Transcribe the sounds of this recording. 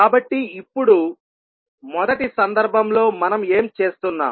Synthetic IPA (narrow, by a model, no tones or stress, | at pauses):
kaːbɐʈːiːpːuɽu | mɔd̪ɐʈisɐnd̪ɐɾbʱɐmlo̞ːmɐnɐme̞ːmt͡ʃe̞ːst̪unːa̰ː